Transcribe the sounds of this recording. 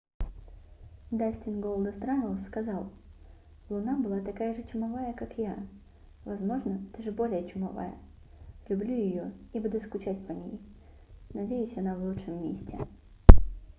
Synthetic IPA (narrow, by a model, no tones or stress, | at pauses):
d̪asʲtʲɪnɡolˠd̪əst̪ɾanʲəlˠskɐzɑlˠ | lˠʊnabɨlˠat̪ɐkajəʐɨt͡ɕʊmɐvajəkakja | vɐzmo̞ʐnəɛt̪əʐɨbo̞lʲɪjət͡ɕʊmɐva̰jə̰ | lʲʊblʲujɪjo̞ibud̪ʊskʊt͡ɕætʲpənʲḛj | nɐdʲejʉsʲɐnavlˠutʂɨmːḛsʲtʲɪ̰